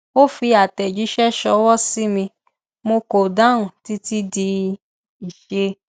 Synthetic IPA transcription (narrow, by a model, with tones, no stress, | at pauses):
o˦fi˧a˨tɛ˨d͡ʒi˨˦ʃɛ˦ʃɔ˧wɔ˦si˦mĩ˧ | mo˧ko˨da˦ũ˨ti˦ti˦di˧ | i˨ʃe˧˦